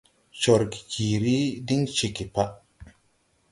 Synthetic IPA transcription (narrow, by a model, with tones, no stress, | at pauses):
t͡ʃo˨ɾki̥˨kʰi˨ɾi˦di˦ŋt͡ʃi˨ki˨pa˦